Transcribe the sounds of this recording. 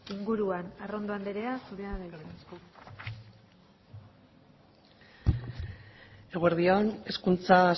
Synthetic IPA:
iŋɡuɾuanaro̞nd̪oand̪eɾe̞asuɾeaðanesko | eɣoeɾðione̞skunt͡sa

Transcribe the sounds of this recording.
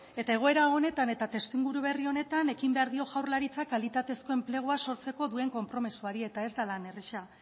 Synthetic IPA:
e̞t̪ae̞ɣ̞o̞e̞ɾao̞ne̞t̪ane̞t̪at̪e̞st̪iŋɡuɾuβ̞e̞rio̞ne̞t̪ane̞kimbe̞aɾðio̞ɣawɾlaɾit͡sakalit̪at̪e̞sko̞e̞mple̞ɣ̞oaso̞ɾt͡se̞ko̞ðue̞ŋko̞mpɾo̞misuaɾie̞t̪ae̞zd̪alane̞reʃa

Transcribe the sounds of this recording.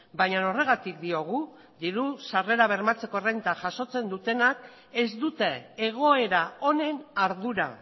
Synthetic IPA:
bajɲano̞re̞ɣ̞at̪ik̚d̪io̞ɣ̞u | d̪iɾusare̞ɾaβ̞e̞ɾmat͡se̞ko̞rent̪aʝaso̞t͡se̞nd̪ut̪e̞nak | ezd̪ut̪e̞ːɣ̞o̞e̞ɾao̞ne̞naɾðuɾa̰

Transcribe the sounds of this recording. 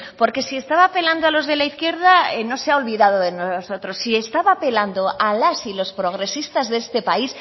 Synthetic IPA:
po̞ɾke̞sie̞st̪aβaːpe̞land̪oalo̞zðe̞laiθkje̞ɾðaeno̞se̞ao̞lβiðað̞o̞ðe̞noso̞t̪ɾo̞sie̞st̪aβape̞land̪oʔalasilo̞spɾo̞ɣ̞ɾe̞sist̪azðeest̪e̞pais

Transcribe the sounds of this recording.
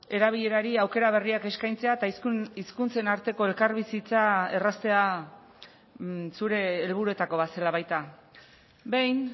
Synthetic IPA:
e̞ɾaβ̞iʎe̞ɾaɾiawke̞ɾaβ̞e̞riake̞skajnt͡se̞aet̪aiskunt͡se̞naɾt̪e̞ko̞e̞lkaɾβisit͡sae̞rast̪e̞a | suɾe̞ːlβ̞uɾue̞t̪ako̞βase̞laβajt̪a | be̞jn

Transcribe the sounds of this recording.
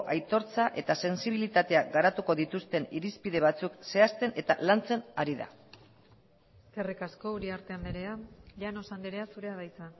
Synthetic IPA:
ʔajt̪o̞ɾt͡saʔe̞t̪ase̞nsiβ̞ilit̪at̪e̞aɡaɾat̪uko̞ðit̪ust̪e̞niɾispiðe̞β̞at͡sukse̞ast̪e̞ne̞t̪a̰lant͡se̞naɾiða̰ | kerikasko̞uɾiaɾt̪e̞and̪eɾeaʎano̞sand̪eɾe̞asuɾe̞aɣajt͡sa

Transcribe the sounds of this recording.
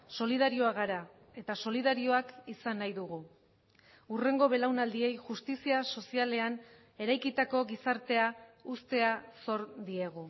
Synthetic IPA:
so̞lið̞aɾio̞aɣaɾa | e̞t̪aso̞liðaɾio̞akisanːajðuɣu | ure̞ŋɡo̞βe̞lawnald̪ie̞jʝust̪isiaso̞siale̞an | e̞ɾajkit̪ako̞ɣisaɾt̪e̞aust̪e̞aso̞ɾd̪ie̞ɣ̞u

